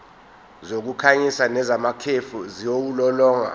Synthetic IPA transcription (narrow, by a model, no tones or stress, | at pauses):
zok̬ukʰaɲisanɛzamakʰefuzijowulɔlɔːŋa̰